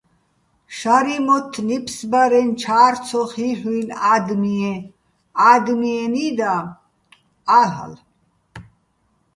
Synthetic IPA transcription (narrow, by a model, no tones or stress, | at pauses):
ʃaɾimɔt̪ʰːnipʰsbaɾɛnt͡ʃʰaːɾtt͡sʰɔχiħwilad̪miɛ | aːd̪miɛnid̪a | aɦa̰l